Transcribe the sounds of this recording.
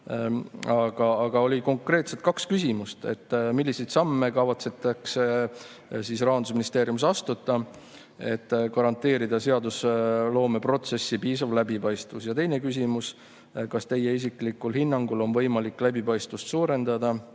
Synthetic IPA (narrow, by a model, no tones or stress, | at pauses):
ɑɡ̥ɑːɡ̥ɑo̞lʲiko̞ŋkre̞ːt̪set̪̚kɑkskysʲimust̪e̞̰t̪ːmilːisejt̪sɑmːe̞kɑvɑt̪se̞t̪ːˑɑks | sisrɑːɑnd̪usminist̪eːɾjumsɑst̪ut̪ːˑɑ | e̞t̪ːkɑɾɑnt̪ːˑe̞ːɾid̪̥ɑse̞ɑd̪uslo̞ːme̞pro̞t̪se̞sːipiːsɑvlæbipɑjst̪vusjɑt̪e̞jne̞kysʲimus | kɑst̪e̞je̞is̬iklikːulhinːɑŋɡulo̞nvɤ̞jmɑliklæbipɑjst̪vust̪suːɾe̞nd̪̥ɑd̪̥ɑ